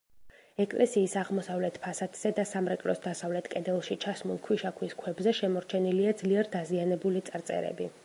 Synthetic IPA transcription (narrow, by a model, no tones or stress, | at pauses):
ɛkʼlʔɛsiːsaʁmɔsavlɛt̪ʰpʰasat̪ʰz̥ɛd̪asamɾɛkʼlɔsd̪asavlɛt̪ʰkʼɛd̪ɛlˠʃit͡ʃʰasmulˠkʰwiʃakʰwiskʰwɛbzɛʃɛmɔɾt͡ʃʰɛniliad̪zliɛɾd̪azianɛbulit̪sʼɾt̪sʼɛ̰ɾɛ̰bi